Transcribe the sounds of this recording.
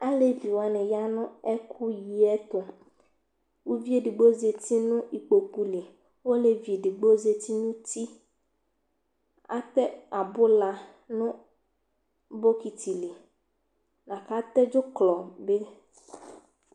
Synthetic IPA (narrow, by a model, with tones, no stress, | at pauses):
a˦le˦vi˨wo˨a˨nɛ̃˨ja˦nɔ̃˦ɛ˦kʰu˦ji˨ɛ˦t̪o˨ | wu˦vi˦e˦˨ɖi˨ɡ͡bo˦ze˨t̪i˦nũ˦i˨k͡po˨ku˦le˨ | wo˦le˨vi˨e˨ɖi˨ɡ͡bo˦ze˨t̪i˦nũ˦t̪i˦ | a̰˦t̪ɛ˦a˨bo˦la˨ | nũ˦ | bo˦ki˨t̪i˨le˨ | nã˨ka˦t̪ɛ˦d͡ʒo˦klɔ˨be˦